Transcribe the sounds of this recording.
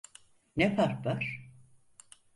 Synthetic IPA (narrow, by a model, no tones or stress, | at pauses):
nefaɾkbaɾ̥